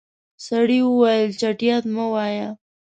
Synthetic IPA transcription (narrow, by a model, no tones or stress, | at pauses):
saɽiwʊwajəlt͡ʃaʈijat̪mawaja